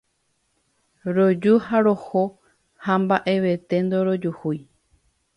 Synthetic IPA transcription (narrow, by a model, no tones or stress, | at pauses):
ɾod͡ʒuhaɾo̞ho | hambaʔe̞ʋe̞t̪e̞nd̪oɾo̞d͡ʒuhuj